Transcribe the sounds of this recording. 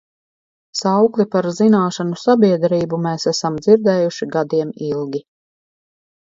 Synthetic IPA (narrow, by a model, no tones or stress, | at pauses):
sawklˠipaɾzinaːʃanusabiɛd̪ɾiːbumɛːsæsamd̪ziɾd̪ɛːjuʃiɡad̪iɛmilˠɡʲi